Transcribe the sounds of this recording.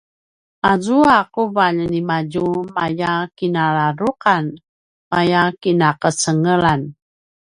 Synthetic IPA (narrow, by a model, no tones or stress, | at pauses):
ʔazuakuvaʎənimad͡ʒumajakinalaɾuqan | majakinakət͡səŋəlan